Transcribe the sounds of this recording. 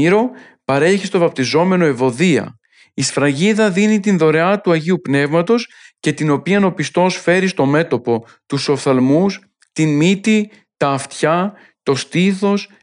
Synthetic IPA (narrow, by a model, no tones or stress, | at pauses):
iɾo̞ | pɐɾe̞çist̪o̞vɐp̚t̪izo̞me̞no̞evo̞ðiɐ̰ | isfɾɐʝiðɐðinit̪inðo̞ɾe̞ɐt̪uɐʝiupne̞vmɐt̪o̞sce̞t̪ino̞piɐno̞pist̪o̞sfe̞ɾist̪o̞me̞t̪o̞po̞ | t̪uso̞fθɐlmus | t̪inmit̪i | t̪ɐːft̪çɐ | t̪o̞st̪iθo̞s